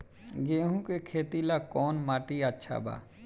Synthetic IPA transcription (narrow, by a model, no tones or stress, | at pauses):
ɡeːɦũkekʰeːt̪ilakɔːnmaːʈiətːʃʰa̰ba̰ː